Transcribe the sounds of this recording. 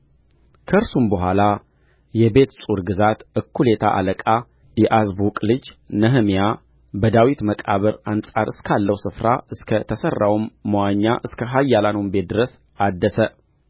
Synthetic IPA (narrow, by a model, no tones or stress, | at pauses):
kʰəɨɾsumbəɦʷala | jɛbe̞t̪sʼuɾɡɨzat̪ɨkʰːule̞t̪ʰa̰ʔa̰ləkʼa | jɛʔazbukʼlɨd͡ʒnəɦɨmija | bəd̪awit̪məkʼaβəɾansʼaɾɨskʰalːəwsɨfɾaʔɨskʰət̪ʰəsərːawumːəwaɲːa̰ʔɨskʰəɦajːalanumbe̞t̪̚d̪ɨɾəs | ad̪ːəsə